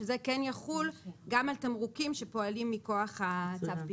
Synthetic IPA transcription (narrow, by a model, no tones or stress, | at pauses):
ezekɛnjaχulɡamalt̪amʁukimʃepo̞alimːiko̞aχhat͡savpi